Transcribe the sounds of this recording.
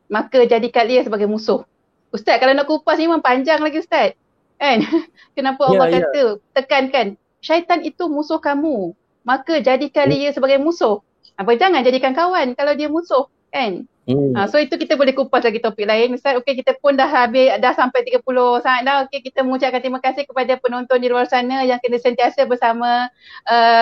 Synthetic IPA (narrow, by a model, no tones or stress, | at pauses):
makəd͡ʒadikat̪̚liəsəbaɡajmũsʊh | ust̪at̪̚kalawnaʔkupasimampaɲd͡ʒaŋlaɡiust̪at̪̚ | ʔɛn | kənapəalːɑhkat̪ət̪əkankan | ʃajt̪anit̪umũsʊhkamu | makəd͡ʒadikaliəsəbaɡajmũsʊh | abad͡ʒaŋand͡ʒadikankawankalawdiəmũsʊh | kan | əsoit̪ukit̪əbolɛhkupaslaɡit̪opik̚laɪnəsat̪okek̬it̪əpʊndaɦabɪhdahsampajt̪iɡapulʊhsaŋat̪̚dahokekit̪əməŋũt͡ʃaʔkant̪ɾimãkasɪhkəpadapənɔnt̪ɔndiluarsanajaŋkənãsənt̪iasəbərsamã | ʔə